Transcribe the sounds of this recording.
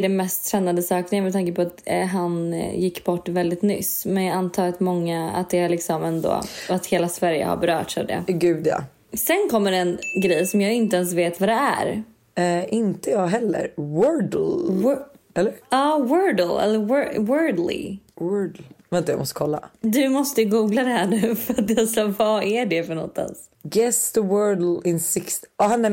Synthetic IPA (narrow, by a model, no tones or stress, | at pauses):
ɖɛnmɛst̪ʰːɾɛnːand̪əsɑːknɪənmɛt̪ʰaŋkəpʰɔat̪ɦanjɪkːbɔʈːvɛld̪ɪt̪nʏ̰smɛnjɑant̪ʰɑːɾat̪mɔŋːaa̰t̪̚d̪ɛælɪksɔmɛnd̪o̰ːat̪heːlasvæɾjə̰ha̰ɾbɛɾœːʈsa̰vd̪ɛ̰ɡʉːd̪jɑ̰ | sɛnkʰɔmːəɾɛnɡɾɛjsɔmjɑːɡɪnt̪əɛns̬veːt̪vad̪ɛæ̰ɾ | ʔɪnt̪əjɑːɡɦɛlːə̰ɾwœɖl̩w | ɛlːəɾɑːwɜɖl̩ɛ̰lːəwwɜːd̪lɪ̰wœɖlvɛnt̪əja̰mɔst̪əkʰɔlːa̰d̪ɵmɔst̪əjɡuːɡlad̪ɛɦæɳʉ̟ːfœɾat̪jɑsɑvɑæɖɛfœɳɔ̰t̪ːa̰nsɡɛsd̪əwɜːɖl̩ɪnsɪkst̪ɔhanːɛ